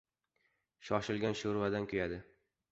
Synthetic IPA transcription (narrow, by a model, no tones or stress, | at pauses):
ʃɒʃɪlɡʲanʃʊɾvad̪ankʲʰʊjad̪ɪ